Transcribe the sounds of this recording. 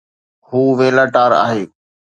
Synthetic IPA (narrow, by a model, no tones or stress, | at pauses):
huːʋeːlaːʈaːɾa̰ːɦeː